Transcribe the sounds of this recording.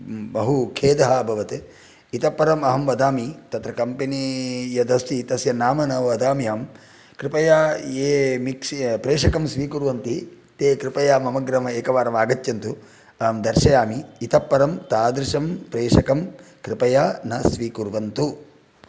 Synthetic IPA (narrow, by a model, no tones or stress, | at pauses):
bɐɦukʰeːd̪ɐɦɐbʱɐʋɐt̪e | it̪ɐpːɐɾɐmɐɦɐmʋɐd̪aːmit̪ɐt̪ɾɐkɐmpenijɐd̪ɐst̪iːt̪ɐsjɐnaːmɐnɐʋɐd̪aːmijaːm | kɾɪpɐjaːeːmikʂpɾeːʂɐkɐmsʋiːkuɾʋɐnt̪i | t̪eːkɾɪpɐjaːmɐmɐɡɾɐm̤ɐeːkɐʋaːɾɐmaːɡɐt̪jɐnt̪u | ɐmd̪ɐɾʃɐjaːmiːt̪ɐpːɐɾɐmt̪aːd̪ɾɪʃɐmpɾeːʂɐkɐmkɾɪpɐjaːnɐsʋiːkuɾʋɐnt̪u